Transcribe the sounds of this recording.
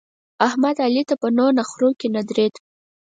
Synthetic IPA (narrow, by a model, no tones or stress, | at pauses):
ahmad̪alit̪apənonaxɾokenad̪ɾet̪